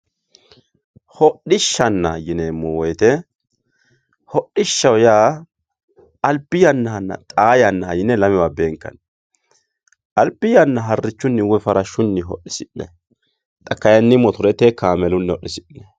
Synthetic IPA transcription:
hɔɗɪʃːɐnːɐjɪneːmːɔwɔjt̪ɛ | hɔɗɪʃːɐwjaː | ʔɐlpːɪjɐnːɐhɐnːɐ̰t̪ʼaːjɐnːɐɐjɪnɛlɐmɛwabeːŋkːɐ̰n | ʔɐlpːɪjɐnːɐɦɐrːɪt͡ʃːʊnːɪwɔfɐɾɐʃːʊnːɪɦɔɗɪsɪnːɛ̰ | t̪ʼɐkːɐjɐnːɪmːɔt̪ʊɾɛt̪ekaːmɛlʊnːɛɔɗːɪsɪnːɛ

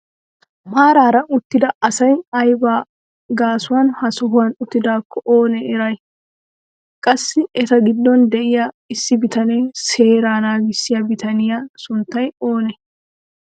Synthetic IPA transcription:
maːɾaːɾɐʊt̪ːɪd̪ɐɐsɐjɐjbaː | ɡaːsʊwaːnhɐsɔɦʊwanʊt̪ːɪd̪aːkʰːɔʔoːnɛɛɾɐj | kʼɐsːɪɛt̪ɐɡɪd̪ːɔnd̪ɛʔɪja | ɪsːɪbɪt̪ɐnɛse̞ːɾaːnaːɡɪsːɪjabɪt̪ɐnɪjaːsʊnt̪ːɐjo̞ːnɛ

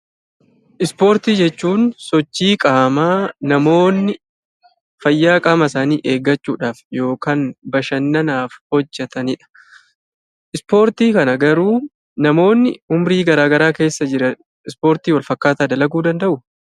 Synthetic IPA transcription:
ʔɪspo̞ːɾt̪iːd͡ʒɛt͡ʃːuːnsɔt͡ʃːiːkʼaːmaːnɐmo̞ːnːɪ | fɐjːaːkʼɐmɐsaːniːʔeːɡːɐt͡ʃːuːᶑaːfjo̞ːkaːnbɐʃɐnːɐnaːfhɔd͡ʒːɛt̪ɐnɪᶑɐ̥ | ʔɪspo̞ːɾt̪iːkɐnɐɡɐɾuː | nɐmo̞ːnːɪʊmɾiːɡɐɾaːɡɐɾaːke̞ːsːɐd͡ʒɪɾɐ | ɪspo̞ːɾt̪iːwɐlfɐkːaːt̪aːd̪ɐlɐɡuːd̪ɐnd̪ɐʔʊ

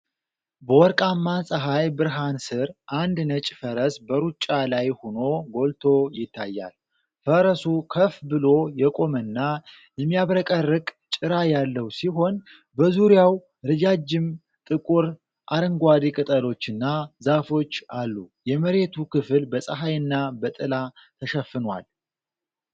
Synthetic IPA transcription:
bəwɔɾkʼamːasʼəɦajbɨɾɦansɨɾʔand̪nət͡ʃʼfəɾəsbəɾut͡ʃʼːalajhono̞ɡo̞lt̪ʰo̞jɪt̪ːajːa̰l | fəɾəsukʰəfbɨlo̞jɛkʼo̞mənːa | jɛmːijaβɾəkʼərːɨkʼt͡ʃʼɨɾajalːəwsiɦo̞n | bəzuɾjaw | ɾɨd͡ʒad͡ʒːɪm | t̪ʼɨkʼuɾ | ʔaɾɨŋɡʷad̪ikʼɨt̪ʼəlo̞t͡ʃːɨnːazafo̞t͡ʃːalːujɛməɾe̞t̪ʰukʰɨfɨlbəsʼəɦajɨnːabət̪ʼɨlat̪ʰəʃɛfːɨnwa̰l

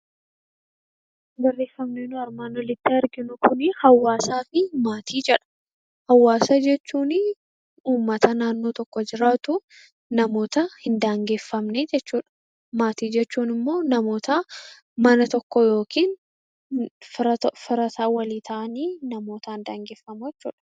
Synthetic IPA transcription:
bɐrːe̞ːfːɐmneːnʊɐɾmaːnːɔlɪt̪ːɪɐɾɡɪnʊkʊnɪhɐwːaːsaːfɪmaːt̪ʰiːd͡ʒɛᶑɐ̥ | hɐwːaːsɐd͡ʒɛt͡ʃːuːnɪ | uːmːɐt̪ɐnaːnːoːt̪ɔkːɔd͡ʒɪɾaːt̪ʊ | nɐmo̞ːt̪ɐhɪnd̪aːŋɡeːfːɐmned͡ʒɛt͡ʃːuːᶑɐ̥ | maːt̪iːd͡ʒɛt͡ʃːuːnɪmːo̞ːnɐmo̞ːt̪ɐ | mɐnɐt̪ɔkːɔjo̞ːkiːn | fɐfɪɾɐt̪aːwɐliːt̪ʰɐʔɐniːnɐmo̞ːt̪ɐhɪnd̪aːŋɡeːfːɐmʊjɛt͡ʃːuːᶑɐ̥

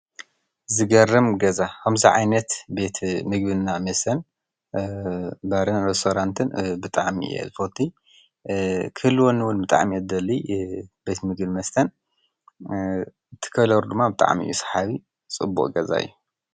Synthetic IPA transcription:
zɨɡɐrɨmɡɐzakʰɐmziʕa̰jnɐt̪be̞t̪ʰmɨɡ̚bɨnːamɐst̪ʰɐn | bɐɾɨnɾest̪ʰoɾant̪ʰɨnbɨt̪ʼaʕmḭjḛzɨfot̪ʰːi | kʰɨhɨlːwonːɨwunbɨt̪ʼa̰ʕmiɐd̪ɐlːibe̞t̪mɨɡbimɐst̪ʰɐn | t̪ʰɨ̥kʰɐlɐɾud̪ɨmːabɨt̪ʼa̰ʕmiʔɨ̰jusħaβi | t͡sʼɨ̰bːṵʔʼɡɐza̰ɨ̰jːu

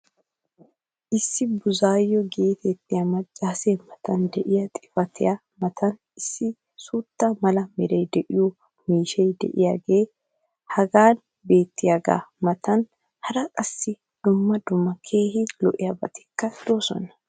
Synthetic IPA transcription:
ʔɪsːɪbʊzaːjːɔɡe̞ːt̪ɛt̪ːɪjɐmɐt͡ʃʼːaːsemɐt̪ɐnd̪ɛʔɪjɐt̪ʼɪ̥fɐt̪ɪja | mɐt̪ʰɐn | ɪsːɪ | suːt̪ːɐmɐlɐmɛɾɐjd̪ɛʔɪjɔ | miːʃɛjd̪ɛ̰ʔɪja̰ːɡe̞ː | hɐɡaːn | be̞ːt̪ːɪjaɡa̰ːmɐt̪ɐn | hɐɾɐkʼɐsːɪ | d̪̥ʊmːɐd̪ʊmːɐkʰe̞ːhɪlɔʔɪjabɐ̰t̪ɪ̥kːɐd̪̥o̞ːsɔ̰nɐ

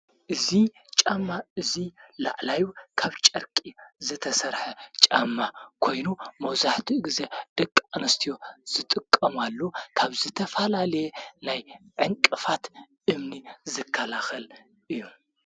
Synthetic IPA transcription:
ʔɨzi | t͡ʃʼamːaʔɨzila̰ʕlajukʰaβt͡ʃʼɐɾkʼizɨt̪ʰɐsɐɾħɐt͡ʃʼamːakʰo̞jnumɐwzaħt̪ʰiɡɨzed̪̥ɐkʼːanɐst̪ʰijo̞z̥ɨt̪ʼɨkʼːɐmalːokʰaβzɨt̪ʰɐfɐlalɐjenajʕɨŋkʼɨfat̪ | ʔɨmnizɨkʰːɐlaxɐl | ʔɨjːu

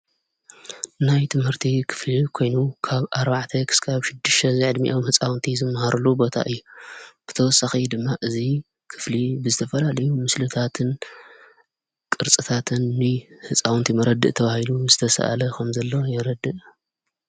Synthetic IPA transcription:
najt̪ʰɨmhɨɾt̪ʰikʰɨ̥flikʰo̞jnukʰaβaɾbaʕt̪ʰɐkʰɨ̥skʰaβʃɪd̪ːɨʃt̪ʰɐzɨʕɨd̪mḭʔo̞mhɨt͡sʼawnt̪ʰizɨmːɐhaɾulːubo̞t̪ʰa̰ʔɨjːub̥ɨt̪ʰɐwɔsːaxid̪ɨmːaʔɨzi | kʰɨ̥flibɨzɨt̪ʰɐfɐlalɐjumɨslɨt̪ʰat̪ʰɨn | kʼɨɾt͡sʼɨt̪ʰat̪ʰɨnːɨhɨt͡sʼawnt̪ʰimɐɾɐd̪ɨ̰ʔt̪ʰɐβahiluzɨt̪ʰɐsɐ̰ʔa̰lɐkʰɐmzɐlːojɛɾɐd̪ɨʔ

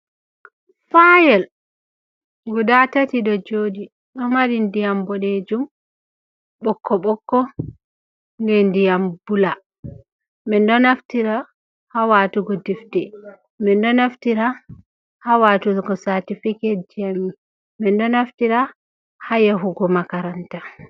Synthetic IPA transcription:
fajɛl | ɡudatatiɗɔd͡ʒoːdi | ɗɔmaɾindijambɔned͡ʒum | ɓɔkːɔɓɔkːɔ | ŋɡɛndijambula | mɛndɔnaftiɾa | hawaːtuɡɔdiftɛ | mɛndɔnaftiɾa | hawatulɡɔsatifikɛd͡ʒami | mɛndɔnaftiɾa | hajaɦuɡɔmakaɾanta

